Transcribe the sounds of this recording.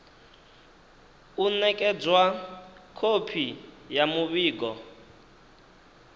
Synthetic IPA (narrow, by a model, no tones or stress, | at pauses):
unɛkʼɛd͡zwakʰopʰi | jamuβiːɡɔ